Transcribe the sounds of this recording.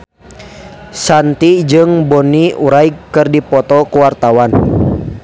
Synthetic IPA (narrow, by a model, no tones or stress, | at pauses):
sant̪id͡ʒɨŋbɔniuɾaikkːɨrdipɔt̪ɔkuwart̪awan